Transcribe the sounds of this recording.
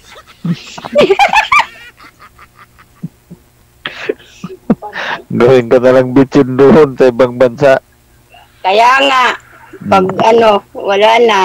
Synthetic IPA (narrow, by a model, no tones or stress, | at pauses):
ɡawiŋkanalaŋbit͡ʃinduɦʊnt̪aibaŋbansaʔ | kajaŋaʔ | paɡanowalana